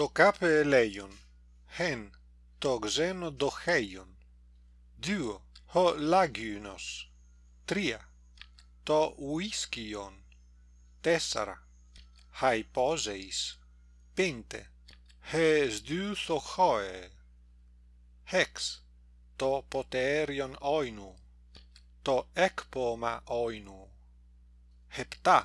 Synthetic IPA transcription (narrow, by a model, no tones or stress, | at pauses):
t̪okapelɛjon | hen | t̪oɡzenod̪oxɛjon | d̪yohɔlaɡyno̰s | t̪ɾia̰ | t̪ɔuiskion | t̪ɛsa̰ɾa̰ | hajpɔzejs | pent̪ḛ | hezd̪yːθoxɔe | hɛks | t̪ɔpot̪eɾjonɔjnu | t̪ɔɛkpoma̰ʔɔjnu | hept̪a